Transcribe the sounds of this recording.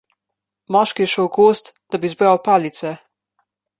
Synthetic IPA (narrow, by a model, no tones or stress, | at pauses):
mɔʃkijɛʃəwkoːst̪d̪̥abizbɾawpaːlit̪sɛ